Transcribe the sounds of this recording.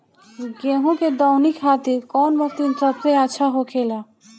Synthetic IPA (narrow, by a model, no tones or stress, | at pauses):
ɡeɦũked̪ɔwnikʰɦat̪iɾkɔnbək̚t̪int̪ət̪ɾeaʃʰaɦokʰela